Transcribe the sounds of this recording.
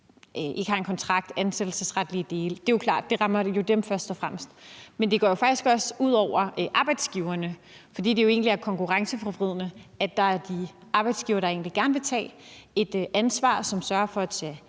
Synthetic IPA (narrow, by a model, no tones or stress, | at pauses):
ʔe̝ɡ̥əhɑ̈e̝nkʰɒ̽nt͡sʰʁɑ̈ɡ̥̚d̥ænsed̥l̩səsʁad̥lid̥e̝ːld̥e̝jokʰlɑ̰̈ːd̥̚ːe̝ʁɑ̈mɐjo̝d̥emfɶɐsd̥ɒfʁam̰sd̥mend̥e̝ɡ̥ɒ̰ːjo̝fɑ̈ɡ̥isɡ̥ɒ̽suð̞̰ˠɒʊ̰ɐʔɑ̈ːb̥ɑ̈ɪd̥sɡ̥iʊɐnə | fɒ̽d̥ḭːd̥e̝jo̝e̝̰ːnliæɐkʰɒ̽ŋkuʁɑ̈ŋsəfʁɒfʁiðˠnəæ̥ɑ̈æɐd̥iɑ̈ːb̥ɑ̈ɪd̥sɡ̥iʊɐɾ̥ɑ̈e̝̰ːnliɡ̥æɐnəʋe̝t͡sʰɛ̰ːe̝d̥ʔænsʋɑ̰̈ːsɒ̽msɶɐfɒ̽t͡sʰe